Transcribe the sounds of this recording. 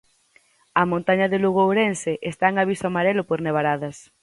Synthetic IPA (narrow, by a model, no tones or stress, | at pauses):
ɐmõnt̪aɲɐðeluɣowɾenseʔest̪aeŋaβ̞isoamaɾelʊpoɾneβ̞aɾaðɐs